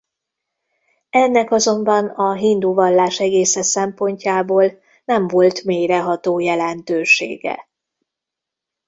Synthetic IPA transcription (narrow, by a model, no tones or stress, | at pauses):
ɛnːɛkɒzo̞mbɒnɒɦind̪uːvɒlːaːʃɛɡeːsɛsɛmpo̞ɲcaːboːl | nɛɱvo̞lt̪meːjɾɛɦɒt̪oːjɛlɛnt̪øːʃḛːɡɛ̰